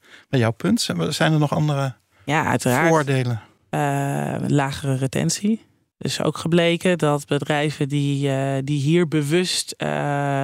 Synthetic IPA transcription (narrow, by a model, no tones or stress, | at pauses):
bɛjɔwpɵntsɛjnənɔχɑndərə | jaœ̰ɥtəraːʊɹdejlən | laːχərəretɛ̰nsi | ɪ̰so̰wkχəblejkədɑtbədrɛjvədidiɦiːɹbəʋɵst